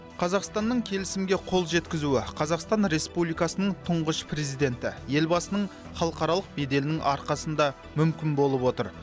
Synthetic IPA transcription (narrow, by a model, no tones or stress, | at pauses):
qʰɑzɑqst̪ɑnːəɴkʲʰe̞lɪsɪmɡʲe̞qʰo̞lˠʒe̞t̪kʲɪzuɪqʰɑzɑqst̪ɑnɾe̞spublijkɑsənəɴt̪ʰʊɴʁəʃpre̞zijd̪e̞nt̪ɪje̞lbɑsənəɴ | χɑlˠəqɑɾɑlˠəq̚be̞d̪e̞lɪnɪŋʔɑ̰ɾqɑsənd̪ɑ | mʏmkʲɪnbo̞lˠəpwot̪əɾ